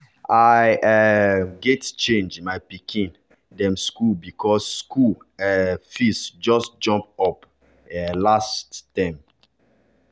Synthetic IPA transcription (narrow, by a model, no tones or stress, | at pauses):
aɪʔɛɡɛtt͡ʃẽnd͡ʒmaɪpikʰĩn | dɛ̃mskubikʰɔsːku | ɛfistd͡ʒɔstd͡ʒɔ̃mp̚ɔp | ɛlastːãɪ̃m